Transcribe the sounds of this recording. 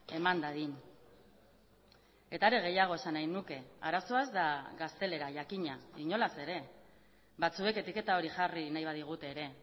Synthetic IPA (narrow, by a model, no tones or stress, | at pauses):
e̞mand̪aðiɲ | e̞t̪aɾe̞ɣ̞e̞jaɣ̞o̞esanajnuke̞a̰ɾaso̞azd̪aɣast̪e̞le̞ɾaʝakiɲaiɲo̞lase̞ɾe̞ | βat͡sue̞ke̞t̪ike̞t̪ao̞ɾiʝarinajβ̞aðiɣ̞ut̪e̞ːɾe̞